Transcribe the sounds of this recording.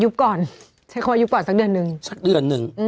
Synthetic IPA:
ju˦˥p̚kɔː˨˩n | sa˧˥kʰːwa˧˦u˦˥p̚kɔː˨˩nsa˧˩k̚ɗɯ˨˩ənːɯ˨˩ŋsa˨˧˩k̚ɗɯ˨˩ənːɯ˨˩ŋʔɯ˧

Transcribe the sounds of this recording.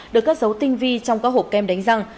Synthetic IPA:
ɗɨ˨˩əkːaː˦˥k̚zə˨˦wt̪ï˧ŋ̟vi˧t͡ɕɔ˧wŋ͡mkaː˦˥k̚ho̰˧˩p̚kɛ˧mɗa˨˦jŋ̟za˧˩ŋ

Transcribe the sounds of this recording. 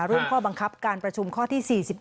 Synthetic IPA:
ɾu˥˩əmkʰɔː˥˩ba˧ŋkʰa˦˥p̚kaː˧npɾa˧t͡ɕʰu˧mkʰɔː˥˩t̪ʰiː˥˩siː˨˩si˨˩p̚

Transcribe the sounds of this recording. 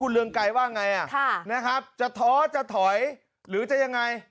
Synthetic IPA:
u˧nlɯ˧əŋka˧jwaː˥˩ŋa˧jʔa˨˩kʰːna˦˥kʰa˦˥p̚t͡ɕa˨˩t̪ʰɔː˦˥t͡ɕa˨˩t̪ʰɔ˩˦j | ɾɯː˩˦t͡ɕa˨˩ja˧ŋːa˧j

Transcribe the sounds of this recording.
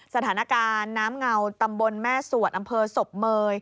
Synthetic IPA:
sa˧t̪ʰaː˩˦na˦˥˧kaː˧nːaː˦˥mŋa˧wt̪a˧mbo˧nmɛː˥˩su˨˩ət̪̚ʔa˧mpʰɤː˧so˨˩p̚mɤː˧j

